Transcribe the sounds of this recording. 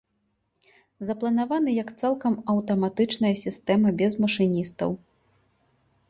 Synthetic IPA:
zɐplˠɐnavanɨjɐkt̪salˠkɐmɐwt̪ɐmat̪ɨt͡ʂnɐjɐsʲist̪ɛmɐbʲɛzmɐʂɨnʲist̪ɐ̰w

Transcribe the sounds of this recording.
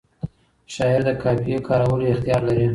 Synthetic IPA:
ʃɑɪɾd̪əkʰɑpijekʰɑɾawəloɪxt̪jɑɾlaɾi

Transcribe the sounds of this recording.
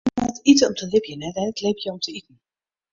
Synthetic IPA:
ɛtitəɔmtʰəlɪpjənɛtɛnətlepjəɔmtʰəitn̩

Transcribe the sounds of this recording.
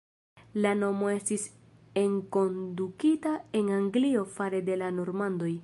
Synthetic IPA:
lano̞mo̞e̞stis | e̞ŋko̞ndukitae̞naŋɡlio̞faɾe̞de̞lano̞ɾmando̞j

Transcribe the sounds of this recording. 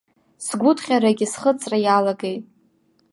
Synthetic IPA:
sɡʷʊtʰχʲaɾaɡʲisχət͡sʼrajalaɡejtʼ

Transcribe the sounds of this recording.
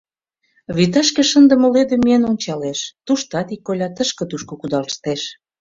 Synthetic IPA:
βit̪̬ɑʃkeʃənd̪ə̆məled̪emienonʲt͡ɕɑleʃt̪uʃt̪ɑt̪ikːolʲɑt̪əʃkə̆t̪uʃkokud̪ɑlʃt̪eʃ

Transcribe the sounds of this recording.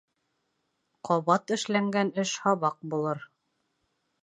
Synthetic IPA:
qʰɒβɑt̪ɘ̆ʃlæŋɡænɘʃhɑβɑq̚bulˠɤɾ

